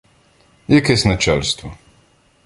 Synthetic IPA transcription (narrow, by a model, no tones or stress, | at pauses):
jɛkajsnat͡ʃɛlst̪vɔ